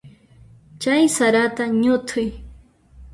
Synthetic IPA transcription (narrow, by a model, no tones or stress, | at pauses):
t͡ʃajsaɾat̪aɲʊt̪ʰʊj